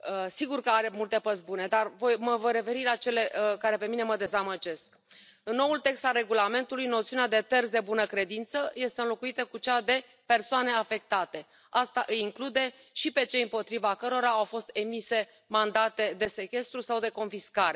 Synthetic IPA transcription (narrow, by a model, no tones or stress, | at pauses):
əsiɡurkəaɾe̞mult̪e̞pəzbune̞d̪arvo̞jməvəɾe̞fe̞ɾilat͡ʃe̞le̞kaɾe̞pe̞mine̞məd̪e̞zaməd͡ʒe̞sk | ɨnːo̞wult̪e̞kst̪alre̞ɡulame̞nt̪ulujnot̪siunead̪e̞t̪ersd̪e̞bunəkɾe̞d̪int̪səje̞st̪eɨnlo̞kuit̪əkut͡ʃad̪e̞ | pe̞rsoane̞afe̞k̚t̪at̪e̞ | ast̪aʔɨjiŋklud̪e̞ | ʃipe̞t͡ʃe̞jɨmpo̞t̪ɾivakəɾo̞ɾaawfo̞st̪e̞mise̞ | mand̪at̪e̞d̪e̞se̞kʲe̞st̪ɾusawd̪e̞ko̞nfiskaɾe̞